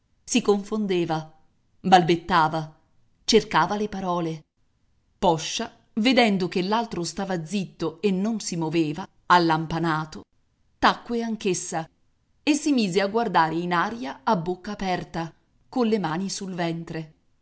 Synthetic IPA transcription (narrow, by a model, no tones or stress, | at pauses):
sikoɱfond̪eːva | balbet̪ːaːva | t͡ʃerkaːvalepaɾɔːle | pɔʃːa | ved̪ɛnd̪ok̟elːalt̪ɾost̪aːvad̪zit̪ːoenːonsimoveːva | alːampanaːt̪o | t̪akːweaŋkesːa | esːimiːzeaɡward̪aːɾeinaːɾijaːbːokːaːpɛrt̪a | konlːemaːnisulvɛnt̪ɾe